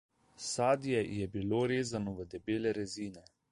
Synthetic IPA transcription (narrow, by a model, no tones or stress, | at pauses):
saːd̪ijɛjɛbiloɾeːzanɔʋəd̪ɛbeːlɛɾɛziːnɛ